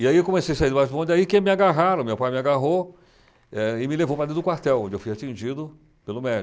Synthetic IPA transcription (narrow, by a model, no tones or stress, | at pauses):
ɪaiewkõmesejsaiɾd̪ʊbat͡ʃbõd̪aikẽmɪaɡaɦaɾɐ̃mewpajmɪaɡaɦo | ɛɪmɪlevowpɾɐd̪ed̪ʊkwaɾt̪ɛwõd͡ʒɪewfujat͡ʃĩʒid̪ʊ | pelʊmɛd͡ʒʊ